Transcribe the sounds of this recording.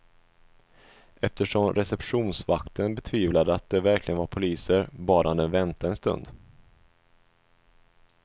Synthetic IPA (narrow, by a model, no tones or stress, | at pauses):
ʔɛft̪əʂɔmɾɛsɛpɧuːnsvakt̪ʰənbɛt̪ʰviːvlad̪əat̪̚d̪ɛvæɾkʰlɪɡənvaɾpʰʊliːsəɾbɑːɾaand̪ɛnvɛnt̪aɛnst̪ɵ̰nd̪